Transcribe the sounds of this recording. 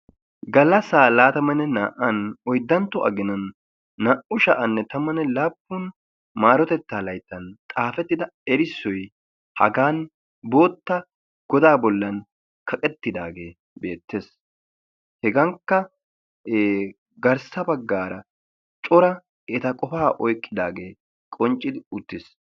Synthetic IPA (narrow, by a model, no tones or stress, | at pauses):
ɡɐlɐsaːlaːt̪ɐmɐnɛna̰ːʔɐnɔjd̪ːɐnt̪ːɔʔɐ̰ɡɪnɐnː | aːʔʊʃɐʔɐnːɛt̪ɐmɐnɛlaːpːʊn | maːɾɔt̪ɛt̪ːaːlɐjt̪ːɐnt̪ʼaːfɛt̪ːɪd̪ɐɛɾɪsːɔj | hɐ̰ɡaːn | bo̞ːt̪ːɐ | ɡ̥ɔd̪aːbɔlːɐn | kʰɐkʼɛt̪ːɪd̪aːɡe̞ː | be̞̰ːt̪ːeːs | hɛɡɐŋkːɐ | ɡɐɾsɐbɐɡːaːɾɐ | t͡ʃʼɔɾɐ | ɛt̪ɐkʼɔfaːʔɔjkʼːɪd̪aːɡe̞ː | kʼɔnt͡ʃʼːɪd̪ɪʊt̪ːɪs